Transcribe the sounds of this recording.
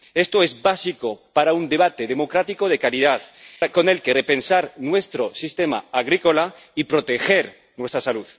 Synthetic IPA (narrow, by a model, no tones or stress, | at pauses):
e̞st̪oezbasikopaɾaund̪e̞β̞at̪eðe̞mo̞kɾat̪iko̞ð̞e̞kaɾið̞aðko̞ne̞lkerepe̞nsaɾnwe̞st̪ɾo̞sist̪emaaɣ̞ɾiko̞la | ipɾo̞t̪e̞xeɾ | nwe̞st̪ɾasaluð